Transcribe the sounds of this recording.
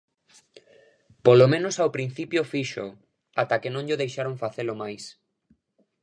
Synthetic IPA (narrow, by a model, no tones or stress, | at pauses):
polomẽnosawpɾĩn̟θipjofiʃo̰ | at̪akenõŋʎʊðejʃaɾoŋfaθelʊmajs